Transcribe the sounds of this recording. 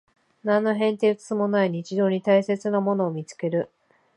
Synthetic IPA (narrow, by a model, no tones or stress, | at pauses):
nãnːo̞ɦẽ̞nt̪e̞ɯt͡sɨ̥t͡sɨmo̞naiɲ̟it͡ɕid̪o̞ːɲ̟it̪aise̞t͡sɨnamo̞no̞ːmʲit͡sɨ̥ke̞ɾɯ̟